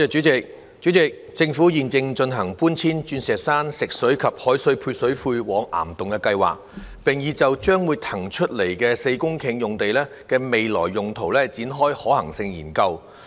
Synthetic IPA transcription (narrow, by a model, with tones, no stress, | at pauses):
ɛː˨˧t͡ʃyː˨˥t͡sɪ˨k̚ | t͡ʃyː˨˥t͡sɪ˨k̚ | t͡sɪ˧ŋfuː˨˥jiː˨nt͡sɪ˧ŋt͡ʃɵ˧nɦɐ˨˩ŋpuː˥nt͡sʰiː˥nt͡ʃyː˧nsɛː˨k̚saː˥nsɪ˨k̚sɵ˨˥ɥkʰɐ˨p̚hɔː˨˥jsɵ˧˥ɥpʰuː˧jsɵ˨˥ɥfuː˧jwɔː˨˥ŋʔa̰ː˨˩mt̪ʊ˨ŋkɛ˧kɐ˧jwa̰ː˨k̚ | pɪ˨˩ŋjiː˨˧t͡sɐ˨wt͡ʃœː˥ŋwuː˨˧jt̪ʰɐ˨˩ŋt͡ʃʰɵ˥t̚le˨˩jkɛː˧se˧jkʊ˥ŋkʰɪ˧˥ŋjʊ˨ŋt̪e˨jlɛː˥ | kɛː˧me˨jlɔ̰ː˨˩jːʊ˨ŋt̪ʰo˨˩wlɛː˥t͡siː˨˥nɦɔː˥jhɔː˨˥hɐ̰˨˩ŋsɪ˧ŋjḭː˨˩nkɐ˧w